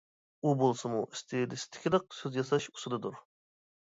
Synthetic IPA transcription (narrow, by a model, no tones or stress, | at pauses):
ubolˠsɨmuʔist̪ʰɪd̪ɪsɪ̥t̪ʰɪ̥kʲʰilˠəq̚søzjɑsɑʃu̥sɨd̪ɨd̪uɾ